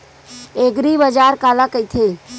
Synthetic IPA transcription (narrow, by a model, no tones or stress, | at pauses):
eːɡɾibəd͡ʒaːɾkaːlakəit̪ʰeː